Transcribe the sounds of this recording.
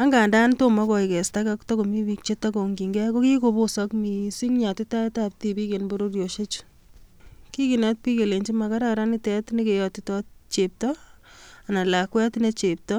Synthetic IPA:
a˦ŋɡa˨nda˦nto˦ma˦kɔ˨ikɛ˨sta˦kakto˦ko˨mi˦wi˦k̚t͡ʃe˦tako˨ŋɡi˨ŋɡɛ˦ko˦ki˦ko˨bo˦sɔkmi˨si˦ŋɲa˨tɪ˦ta˦tap̚tibi˦ke˨nbo˦ɾo˦ɾjo˨ʃe˦t͡ʃ | ki˦ki˨na˦t̚pi˦ke˨le˨ɲt͡ʃi˦ma˨ka˦ɾa˦ɾa˦ni˦tɛ˦tne˦ke˨jɔ˨tɪtɔ˦tt͡ʃep̚tɔ | a˨na˨la˨kwɛ˦tne˦t͡ʃe˨p̚tɔ

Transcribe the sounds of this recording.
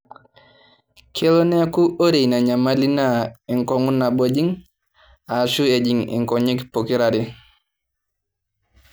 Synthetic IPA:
kʰe˦lo˦nɛ˦a˦ku˦ʔo˦ɾe˨na˨ɲa˨ma˦li˦na˦ɛ˨ŋkɔ˨˦ŋu˦na˨bo˨˦d͡ʒi˦ŋ | a˨ʃu˦e˨d͡ʒi˨ŋɛ̰˨ŋkɔ˨ɲi˦kpo˨ki˦ɾa˨ɾi˦

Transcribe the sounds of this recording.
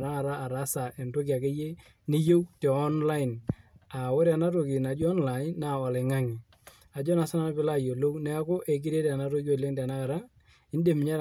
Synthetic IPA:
na˦ka˨ɾaː˦˨ɾa˨˦sa˨ʔe˨nto˦k̬i˨a˨ke˦je˦ | ni˦jo˦wte˨ɔ˦nla˦ɪ˨na˨wo˦ɾa˨na˦t̬o˨kɪ˨na˨d͡ʒɔ˦nla˨ɪ˦nːa˨ɔ˨lɪ˨ŋa˦ŋi˨ | a˨d͡ʒɔ˦na˨sa˦na˦n˦pɪ˦la˦˨jo˨lo˦wnɛ˦ko˦ʔe˨k̬i˦ɾe˦ta˨na˦to˦ko˦˨le˦ŋta˨na˦ka˨ɾa˦ | ɪ˦n˦de˨m˨ɲa˦ɾ

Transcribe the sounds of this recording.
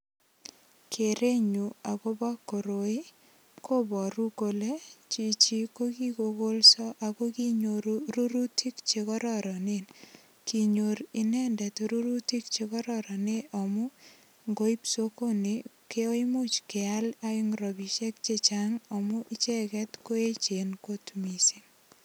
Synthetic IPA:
kʰe˨ɾe˦ɲu˨a˨ko˦ba˦kːo˨ɾo˨i˦ | ko˦bɔ˨ɾu˦ko˨le˦t͡ʃi˨t͡ʃi˦ko˦ki˦ko˨ɡo˦lsɔ˦ʔa˨ko˦ki˦ɲoɾuɾu˦ɾu˦ti˦kt͡ʃekɔ˦ɾɔɾɔ˨nen | ki˨ɲo˨ɾi˦nɛndɛ˨tɾu˦ɾu˦ti˦k̚t͡ʃekɔ˦ɾɔɾɔ˨ne˦ʔɔ˨mɔ˦ | ŋɡo˦i˦psoko˦nekeo˦imu˦t͡ʃke˨alaiŋrɔ˨bi˨ʃe˦k̚t͡ʃet͡ʃaŋɔ˨mʊ˦ʔɪ˦t͡ʃɛ˦kɛ˦tko˦e˦t͡ʃenko˦tmisin

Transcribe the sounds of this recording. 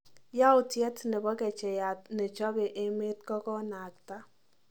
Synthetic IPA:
ja˦ʊ˨tjɛ˦tnɛ˨bɔ˦kɛ˨t͡ʃɛ˨ja˨tne˨t͡ʃɔ˦be˨ʔe˦me˦t̚kɔ˦kɔ˦na˨k̚ta˦

